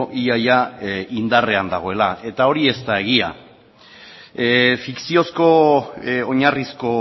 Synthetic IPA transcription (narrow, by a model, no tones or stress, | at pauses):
ʔiajaind̪are̞and̪aɣ̞o̞e̞lae̞t̪ao̞ɾie̞st̪ae̞ɣ̞ia̰ | fiksio̞sko̞ | oɲarisko̞